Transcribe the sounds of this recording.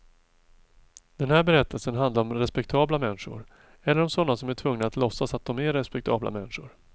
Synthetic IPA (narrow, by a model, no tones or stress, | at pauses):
d̪̥ɛnhæːɾbɛɾɛt̪ʰːəlsənɦand̪laɾɔmɾɛspɛk̚t̪ʰɑːblamɛnːʂʊ̰ɾ | ɛlːəɾɔmsɔnːasɔmæʈʰvɵŋnaːt̪lɔsːasat̪̚d̪ɔmɛɾɛspɛk̚t̪ʰɑ̰ːbla̰mɛnːʂʊɾ